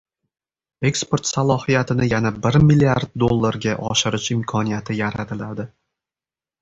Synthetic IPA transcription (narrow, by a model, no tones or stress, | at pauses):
e̞kspo̞ɾt̪salˠɒhijat̪ʰɪnɪjanabɪɾmɪlːiaɾd̪̚ːolˠːaɾɡʲaʔɒʃɪɾɪʃɪmkʰɒnijat̪ʰɪjaɾat̪ʰɪlad̪ɪ